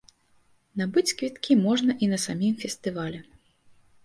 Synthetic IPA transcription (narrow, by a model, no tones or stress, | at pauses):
nabɨt͡sʲskvʲit̪kʲimɔʐnɐʔinɐsamʲimfʲɛst̪ɨvalʲɛ